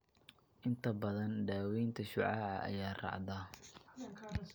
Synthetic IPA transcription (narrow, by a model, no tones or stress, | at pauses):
ʔɪnt̪ʰɐbɐðɐnɖaːwɛjnt̪ʰɐʃʊʕɑːʕɐ̰ʔɐ̰jaːrɑ̰ʕd̪aː